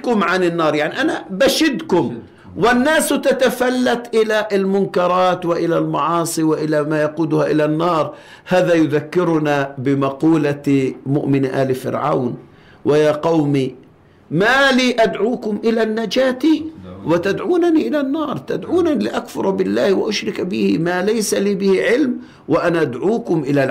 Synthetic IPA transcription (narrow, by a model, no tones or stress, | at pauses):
kʊmʕanɪnːɑːɾˤjaʕniʔanabaʃɪd̪kʊm | wɪnːaːst̪at̪afalːat̪ʔɪlaʔɪlmʊnkɑɾˤɑːt̪wɪʔɪlalmɑʕɑːsˤiwɪʔɪlamajɑquːd̪ʊhaʔɪlanːɑːɾˤ | haːðajʊðakːɪɾʊnabɪmɑquːlamʊʔmɪnʔaːlifɪ̰ɾʕa̰wn | wʔɪjaːqɑwmi | maːliːʔad̪ʕuːkʊmʔɪlanːad͡ʒaːt̪iwɪt̪ad̪ʕuːnaniʔɪlanːɑːɾˤt̪ad̪ʕuːnalɪʔakfʊɾˤbɪlːaːhwɪ̰ʔʊʃɾɪkbɪhɪmalajsaliːbɪhɪʕɪlm | wɪʔanaʔad̪ʕuːkʊmʔɪlal